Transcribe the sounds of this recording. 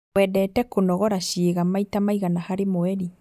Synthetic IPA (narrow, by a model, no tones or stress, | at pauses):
wɛdɛtɛkonɔɣɔɾaʃeːɣamaitamaiɣanahaɾemoɛɾi